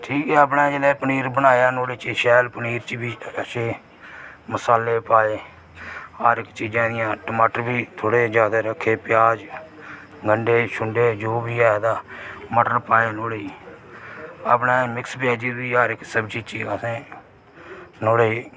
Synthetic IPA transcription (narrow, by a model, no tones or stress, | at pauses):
ʈʰiːkɛːəp̬nãːd͡ʒelɛːpəniːɾbənaːjaːnoːɽeːt͡ʃiʃɛːlpəniːɾt͡ʃibiːəʃeː | məsaːleːpaːeː | aːɾɪkt͡ʃiːd͡ʒãːd̪ɪjãːʈəmaːʈəɾbiːt̪ʰoːɽeːd͡ʒjaːd̪aːɾəkʰːeːpɪjaːd͡ʒ | ɡəɳɖeːʃʊɳɖeːd͡ʒoːbiːɛːd̪aːməʈəɾpaːeːnoːɽe | a̰ːp̬nãːmɪkspjaːd͡ʒiːbiːaːɾɪksəbt͡ʃiːt͡ʃiːasẽː | noːɽeː